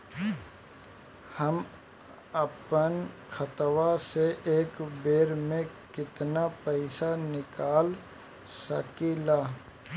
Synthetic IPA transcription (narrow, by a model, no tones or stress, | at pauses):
həm | əpənkʰət̪ʋaseʔeːkbeːɾmẽ | kɪt̪napɛɪsanɪkaːl | sɐkelaː